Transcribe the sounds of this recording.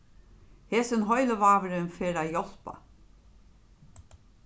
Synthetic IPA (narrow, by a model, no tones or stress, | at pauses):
heːsənɦɔʏləʋaːʋəɾɪnfeːɾaːjɔl̥pa̰